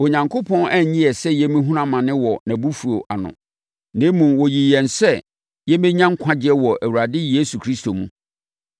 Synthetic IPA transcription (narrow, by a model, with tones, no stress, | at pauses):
o˨ɲã˨ŋkʰo˦pʰɔ̃˦næ˦˨ɲĩ˦ɛ˨sɛ˦jɛ˦mĩ˦ɦũ˦ɾã˦mã˨nɪ̃˦wɔ˨nã˨bu˦fu˨o̰˨ʔa˨nʊ̰̃˨ | nẽ˨˦mũ˨mwɔ˨ji˨jɛ̃˨nsɛ˦ | jɛ˦mɛ̃˦ɲã˦ŋ̩˦kʷʰã˦d͡ʑɪ˦ɛ˦wɔ˨ʔæ˨wu˨ɾa˨dɪ˦je˦su˨kʰɾi˦sto˨mṵ̃˦